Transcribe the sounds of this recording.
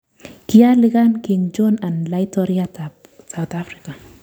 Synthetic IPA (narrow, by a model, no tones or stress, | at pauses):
kijalɪɡankɪŋd͡ʒɔnanlajtɔɾiatap | sawt̪afɾika